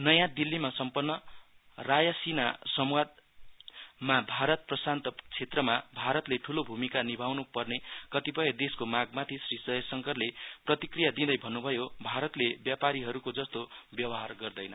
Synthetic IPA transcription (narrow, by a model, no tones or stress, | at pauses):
nʌjãd̪ilːimasʌmpʌnːʌ | rajasinasʌmwad̪̚ | mabʱaɾʌt̪̚prʌsant̪ʌt͡sʰet̪rʌmabʱaɾʌt̪leʈʰulobʱumikanibʱawnupʌrnekʌt̪ipʌjʌd̪eskomaɡmat̪ʰisrisʌjsʌŋkʌrleprʌt̪ikrijad̪id̪ʌjbʱʌnːubʱʌjobʱaɾʌt̪lebjapaɾiɦʌɾukod͡zʌst̪objʌwʌɦarɡʌrd̪ʌjnʌ